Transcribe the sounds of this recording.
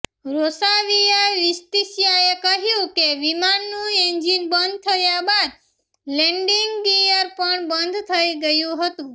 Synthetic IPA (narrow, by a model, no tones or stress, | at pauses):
ɾosaʋijaʋist̪isjaekəɦjũkeʋimanːũend͡ʒinbənd̪̚ʱt̪ʰəjabad̪ | lɛɳɖiŋɡɡijəɾpəɳbənd̪ʱt̪ʰəiɡəjũɦət̪ũ